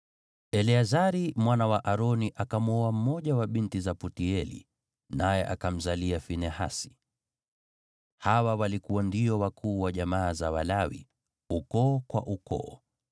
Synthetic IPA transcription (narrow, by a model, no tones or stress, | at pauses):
ɛliazaɾimwanawaʔaɾɔniʔakamuɔam̩mɔʄawaɓintizaputiɛlḭ | najɛʔakam̩zaliafinɛha̰si̥ | hawawalikuwandiɔwakʰuːwaʄamaːzawalawḭ | ukɔːkwa̰ʔukɔ̰ː